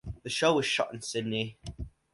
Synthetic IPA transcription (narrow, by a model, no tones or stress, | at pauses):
ðəʃoʊwɒz̥ʃɒ̰tə̃nsɪdⁿni